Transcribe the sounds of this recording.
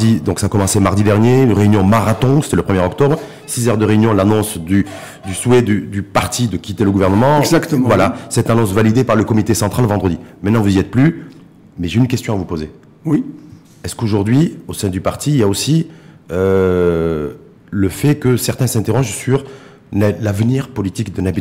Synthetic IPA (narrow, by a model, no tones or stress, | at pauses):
d̪id̪ɔ̃ksaːkɔmɑ̃semaʁd̪id̪ɛʁnjenʁeynjɔ̃maʁat̪ɔ̃se̥t̪ɛləpχəmjɛʁɔkt̪ɔbʁ | sizœʁd̪əʁeynjɔ̃lanɔ̃sd̪y | d̪yswɛd̪yd̪ypaʁt̪ʰid̪əkʲit̪eləɡuvɛʁnəmɑ̃zakt̪əvwalasɛt̪anɔ̃svalid̪epaʁləkɔmit̪esɑ̃t̪χalvɑ̃d̪ʁəd̪imɛ̃t̪nɑ̃vuziɛt̪̚ply | mɛʒeynkʲɛst̪jɔ̃avupoze | wi | ɛskoʒuʁd̪ɥiosɛ̃d̪ypaʁt̪iiljaosi | ø | ləfɛkəsɛʁt̪ɛ̃sɛ̃t̪eʁɔʒsyʁ | llavəniʁpɔlit̪ikd̪ənabi